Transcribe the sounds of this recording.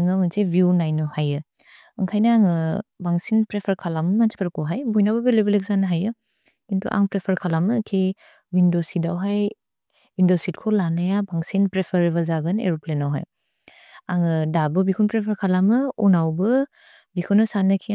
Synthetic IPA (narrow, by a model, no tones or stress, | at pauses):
ŋamɯnsebʱjunajnɯhajɯ | ɯŋkʰajnaaŋɯbaŋsinpɾepʰaɾkʰalamɯmansʰi̥pʰaɾkoɦajbojnabɐbilebelek̚zanɯɦajɯ | kintʰṵʔa̰ŋpɾepʰaɾkʰalamɯkʰe | windosidawɦaj | windositkʰolanajabaŋsinpɾepʰeɾeβɐlzaɡɯnḛɾuplenawɦa̰j | aŋɯdabɯbikʰunpɾepʰaɾkʰalamɯunawbɯ | bikʰunɯsanɯkʰi